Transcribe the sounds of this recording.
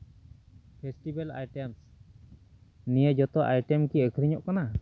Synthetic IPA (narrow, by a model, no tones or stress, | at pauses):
pʰesʈibela̰jʈems | nijed͡ʒɔt̪ɔʔajʈɛmkiəkʰɾiɲɔʔkana